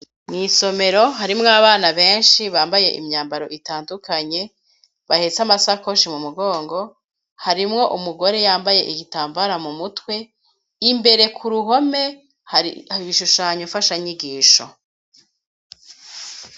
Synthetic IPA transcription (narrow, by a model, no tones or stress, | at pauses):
mŋiːso̞me̞ɾo̞ɦaɾimŋaβaːnaβe̞ːnʃiβaːmbaje̞̰ʔḭmɲaːmbaɾo̞ʔitaːndukʰaɲe̞ | βahe̞t͡samasako̞ʃimumuɡo̞ːŋɡo̞ | haɾimŋo̞ʔumuɡo̞ɾe̞jaːmbaje̞ʔiɡitaːmbaɾamumutwe̞ | imbe̞ɾe̞kʰuɾuɦo̞me̞ | iβiʃuʃaːɲofaʃaɲiɡiːʃo̰